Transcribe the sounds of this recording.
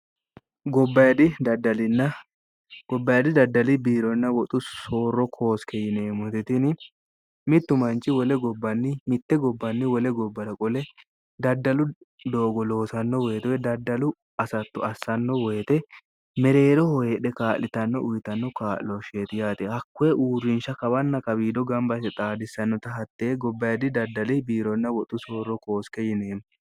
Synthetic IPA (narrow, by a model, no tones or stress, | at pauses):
ɡɔbːɐjɐd̪ɪd̪ɐd̪ɐlɪnːɐ | ɡ̥ɔbːɐjɐd̪ɪd̪ɐd̪ːɐlɪbiːɾɔnːɐwɔt̪ʼʊsoːrːɔkʰo̞ːskʰɛjɪneːmɔt̪ɪt̪ɪnɪ | mɪt̪ːʊmɐnt͡ʃːɪwɔlɛɡɔbːɐnːɪmɪt̪ːɛɡɔbːɐnːɪwɔlɛɡɔbːɐɾɐkʼɔlɛ | d̪ɐd̪ːɐlʊ | d̪o̞ːɡɔlo̞ːsɐnːɔwɔjɛt̪ɔɛd̪ɐd̪ːɐlʊ | ɐsɐt̪ːɔɐsːɐnːɔwɔjɛt̪ɛ | mɛɾe̞ːɾɔhɔjeɗɛkaːʔlɪt̪ɐnːɔʔʊjɪt̪ɐnːɔkaːʔlɔʃeːt̪ɪjaːt̪ɛhɐkːʊɛʔuːrːɪnʃɐkɐbɐnːɐkɐbiːd̪ɔɡɐmbɐsɛt̪ʼaːd̪ɪsːɐnːɔt̪ɐɦɐt̪ːeːɡɔbːɐjɐd̪ɪd̪ɐd̪ːɐlɪbiːɾɔnːɐwɔt̪ʼːʊso̞ːrːɔko̞ːskɛjɪneːm